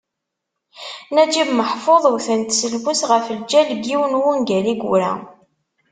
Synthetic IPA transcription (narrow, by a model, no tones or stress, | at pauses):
næd͡ʒimməħfoðˤwθənt̪səlbusʁəfəld͡ʒælɡiwnwunɡæliɡʷuɾæ̰